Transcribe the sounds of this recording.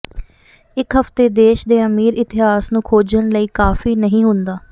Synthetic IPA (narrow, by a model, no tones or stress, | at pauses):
ɪkɦəft̪eːd̪eːʃd̪eːəmiːɾɪt̪ɪɦaːsnũːkʰoːd͡ʒəɳləiːkaːfiːnəɦĩːɦʊnd̪aː